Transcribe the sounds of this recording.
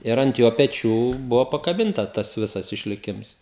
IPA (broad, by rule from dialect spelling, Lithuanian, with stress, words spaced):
ɪr ɐnt ˈjoː pʲɛˈt͡ʃʲuː ˈbʊʋoː pɐkɐˈbʲɪntɐ ˈtɐs ˈʋʲɪsɐs ɪʃʲlʲɪˈkʲɪms